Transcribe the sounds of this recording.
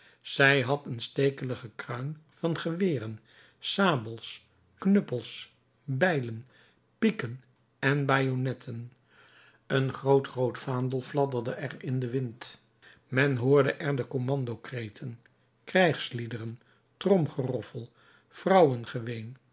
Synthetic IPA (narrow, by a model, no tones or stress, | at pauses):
z̥ɛjɦɑtənstejkələχəkrœɥnvɑnχəʋɪːrən | saːbəlˠs | knɵpəlˠs | bɛjlən | pikən | ɛnbaːjonɛtʰən | ənχrowtrowtfaːndəlˠflɑdərdəʔɛrɪndəʋɪnt | mɛnɦʊːɹdəʔɛɹdəkomɑndowkrejtʰən | krɛjχslidərən | trɔmχərɔfəlˠ | frɑwənχəʋejn